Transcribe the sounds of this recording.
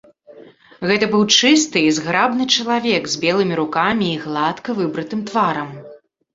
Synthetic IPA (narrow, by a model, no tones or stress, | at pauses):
ɣɛt̪ɐbɨwt͡ʂɨst̪ɨizɣɾabnɨt͡ʂɐlˠavʲɛɡzʲbʲɛlˠɨmʲiɾukamʲiːɣlˠat̪kɐvɨbɾɨt̪ɨmt̪vaɾɐm